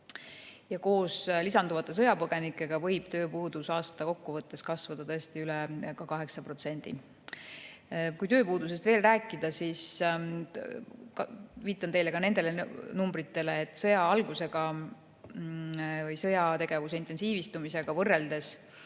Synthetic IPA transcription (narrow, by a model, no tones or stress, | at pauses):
jɑko̞ːslisɑnd̪uvɑt̪ˑːe̞s̬ɤ̞jɑpɤɡ̥e̞nikːˑe̞ɡ̥ɑvɤ̞jb̥t̪ø̞ːpuːd̪̥usɑːst̪ɑko̞kːuvɤt̪ːe̞skɑsvɑd̪ɑt̪ɤest̪iylɛkɑkɑɦe̞ksɑpro̞t̪se̞nʲd̪̥ḭ | kujt̪øːpuːd̪us̬e̞st̪ve̞ːlræːkˑːid̪̥ɑsis | kviːt̪ːˑɑnt̪e̞jlekɑne̞nd̪e̞lenumbɾit̪ːe̞leːt̪ːˑsɤjɑɑlɡ̥use̞ɡ̥ɑ | vɤjsɤjɑt̪e̞ɡ̥e̞vus̬e̞int̪e̞nsiːvist̪umise̞ɡ̥ɑvɤrːe̞ld̪̥e̞s